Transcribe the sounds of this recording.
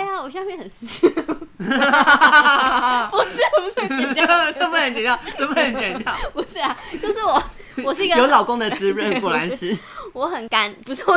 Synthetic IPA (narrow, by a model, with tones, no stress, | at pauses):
a˥˩ja˨wɔ˨˩ɕɑ˥˧mjɛ˥˧nxə˨˩nʂ̩˧˥ | ɔ˨˩ʂ̩˥˩˨t͡sə˥mbə˧˩xə˧˦nt͡ɕɛ˨nt̪jɑ˥˨tə˥mə˧˥hə˧˦nt͡ɕjɛ˨˩nt̪ʰjɑ˥˨pɔ˨˩ʂɻ̩˥˩a˨t͡ɕo˥˧ʊʂɻ̩˥˩wɔ˨˩ | wɔ˨˩ʂ̩˥˧i˧ɡəjo˨˦ʊlɑ˨˩ʊkʊ˥ŋd̪ə˨t͡sɹ̩˧˥ɻə˥˧˦nku˨˩la˧˦nʂɻ̩˥˩wɔ˧˥xə˨˩nka˦npu˧˥t͡sʰwɔ˥˧˨